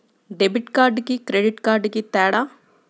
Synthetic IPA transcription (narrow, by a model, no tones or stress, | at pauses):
ɖebiʈkaːɾɖkikɾeɖiʈkaːɾɖkit̪ɛːɽaː